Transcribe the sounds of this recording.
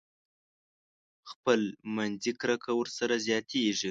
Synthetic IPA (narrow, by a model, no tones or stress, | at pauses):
xpəlmanzikɾakʰawəɾsaɾazjɑt̪ʰeʐi